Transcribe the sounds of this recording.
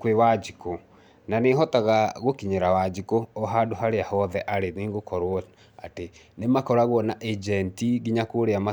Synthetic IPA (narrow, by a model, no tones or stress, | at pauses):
kwewad͡ʒiko | naneɦɔtaɣaɣokiɲeɾawad͡ʒikoːɦadoɦaɾeahɔðɛʔaɾeniːŋɡokɔɾwɔ | ate | nemakɔɾaɣwɔnaʔed͡ʒɛntiɡiɲakoɾeama